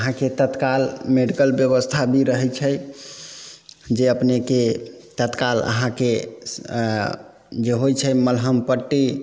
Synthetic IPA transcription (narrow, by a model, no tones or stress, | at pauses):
əɦãket̪ət̪kalmeɖikəlbjəβəst̪ʰabʱiɾəɦɛt͡ʃʰə | d͡ʒeəpneket̪ət̪kalə̰ɦãke | d͡ʒeɦojt͡ʃʰəməlɦəmpəʈːi